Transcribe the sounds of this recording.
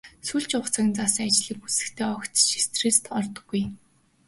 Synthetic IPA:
suɮt͡ɕʊχt͡sʰăːɣnt͡sasĭŋat͡ɕɮ̥iːk̚ut͡sɘ̆xt̪ʰeːɔkt̪t͡ɕist̪ʰrist̪ɔrt̪ɞ̥̆ɡːuj

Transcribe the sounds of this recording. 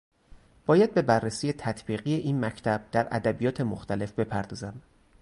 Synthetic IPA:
b̥ɒːjæd̪̚be̞bærːesije̞t̪ʰæt̪ʰb̥iːɣije̞ʔiːnmæcʰt̪ʰæb̥̚d̪̥æɾʔæ̰d̪æbijɒːt̪ʰe̞moxt̪ʰæle̞fbe̞pʰæɾd̪ɒːzæm

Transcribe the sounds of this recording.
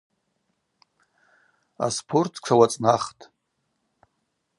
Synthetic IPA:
a̰spʰortʰkʷʰawat͡sʼnaχtʼ

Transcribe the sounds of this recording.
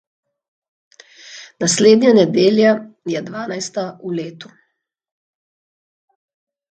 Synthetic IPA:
nasleːd̪ɲanɛd̪eːljajɛd̪ʋaːnajst̪auleːt̪u

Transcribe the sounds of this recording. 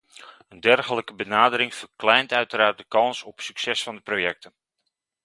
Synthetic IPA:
əndɛrxələkəbənaːdəɾɪŋfərklɛjntœɥtəɾaːrt̚dəkɑnsɔpsyksɛsfɑndəprojɛk̚tən

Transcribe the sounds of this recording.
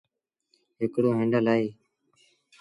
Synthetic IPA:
ɦɪkɽoːɦẽːɳɖəlaːiː

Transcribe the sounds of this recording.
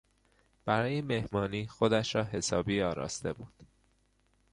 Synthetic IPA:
b̥æɾɒːjeme̞hmɒːniːxo̞d̪æʃɾɒːɦe̞sɒːbiːɒːɾɒ̰ːst̪e̞buːd̪̥

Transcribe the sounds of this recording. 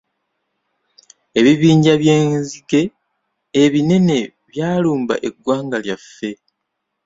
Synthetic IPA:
e̞βiβiːɲɟaβjeːziɡe̞ː | βine̞ne̞ | βjaːluːmba̰ʔe̞ɡːwaːŋɡaljafːe̞

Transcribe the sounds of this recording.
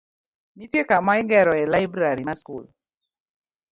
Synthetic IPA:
nitjekamaɪŋɡɛɾɔɛlajbɾaɾimaskṵl

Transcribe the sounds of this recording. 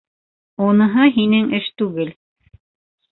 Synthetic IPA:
unɤ̆ɦɤɦinɘŋʔɘʃt̪ʉɡɘl

